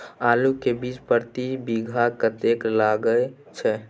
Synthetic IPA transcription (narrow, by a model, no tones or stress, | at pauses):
alukebit͡ʃpəɾt̪ibiɡʱakət̪eklaɡə | t͡ʃʰɛ